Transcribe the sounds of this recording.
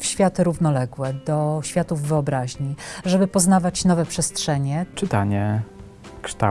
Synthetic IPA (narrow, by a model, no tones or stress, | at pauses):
fɕfʲjat̪ɘɾuvnɔlɛɡwɛd̪ɔɕfʲjat̪uvːɘɔbɾaʑɲiʐɛbɘpɔznavat͡ɕnɔvɛpʂɛstʂɛɲɛt͡ʂɘt̪aɲɛ | kʂt̪a̰